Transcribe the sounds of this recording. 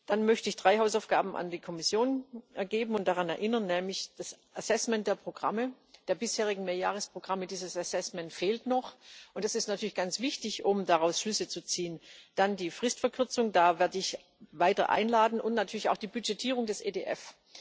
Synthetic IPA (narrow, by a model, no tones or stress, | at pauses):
d̥anmœçtəɪçd̥ʁaɪhaʊsaʊfɡ̥a̰ːbm̩ʔa̰ndiːkʰɔmɪsjoːnʔɛɐɡeːbm̩ʊnt̚d̥aʁanɛɐʔɪnɐnːɛːmlɪçd̥asʔɛsɛsmɛnt̚d̥eːɐpʁ̥oɡ̥ʁa̰mə | d̥eːɐbɪsheːʁ̞ɪɡŋ̩meːɐja̰ːʁəspʁ̥oɡ̥ʁamədiːzəsɛsɛsmɛntfeːltnɔχʔʊntd̥asɪstnatʰyːɐliçɡ̥ant͡sv̥ɪçtɪçʔʊmdaʁaʊsʃlʏsət͡sut͡siːənd̥andiːfʁ̥ɪstfɛɐkʰʏɐt͡sʊŋdaːvɛːɐdəɪç | vaɪtɐ̰ʔa̰ɪnlaːdn̩ʊntnatʰyːɐlɪça̰ʊxd̥iːbyd͡ʒɛtʰiːʁʊŋdɛsʔḛːdḛːʔɛf